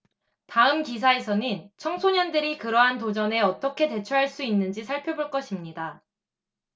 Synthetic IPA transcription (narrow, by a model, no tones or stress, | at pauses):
taɯmkis̬ʰae̞s̬ʰʌnɯnt͡ɕʰʌŋsʰoɲʌndɯɾikɯɾʌɦantod͡ʑʌne̞ʌt͈ʌkʰe̞te̞t͡ɕʰuɦaɭs͈uinːɯnd͡ʑisʰaɭpʰjoboɭk͈ʌɕʰimɲida